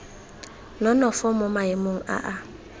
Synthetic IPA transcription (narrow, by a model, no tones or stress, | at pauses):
nɔnɔfɔmʊmaɪmʊŋ̩a̰ʔa